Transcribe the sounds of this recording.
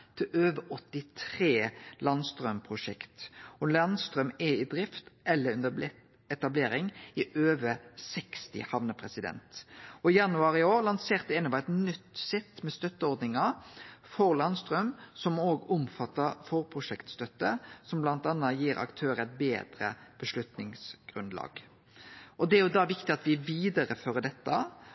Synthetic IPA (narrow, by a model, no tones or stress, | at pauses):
t̪ʰɪløːʋəʔɔt̪ːɪt̪ʰʁeːlɑnst̪ɾœmpʰʁʊʂɛ̰kt̪ɔlɑnst̪ɾœmɛɪd̪ɾɪft̪ʔɛlːəʉnd̪b̪ɛ | ɛt̪ɑbleːɾɪŋɪʔøːʋəsɛkst̪ɪ̰hɑʋnəpʰɾɛsɪd̪ɛ̰nt̪ɔɪjɑnʉɑːʁɪoːɾlɑnseːʁt̪əɛnəʋæɛt̪nʏt̪sɛt̪ːmɛst̪œt̪ːəɔɾd̪nɪŋɑfɔʁlɑnst̪ɾœmsɔmoːɡʊmfɑt̪ːɑɾfɔʁpʰʁʊʂɛkt̪st̪œt̪ːə̰sɔmblɑnt̪ɑnːɑjiːɾɑ̰kt̪ʰøːɾəæɪt̪̚bḛːd̪ɾə̰b̥əʂlʉt̪nɪŋsɡ̥ʁʉnd̪lɑ̰ːɡ | ʔɔd̪ɛæɾjʊd̪ɑʋɪkt̪ɪɑt̪ʋɪʋiːd̪ɑɾəføːɾəd̪ɛt̪ːə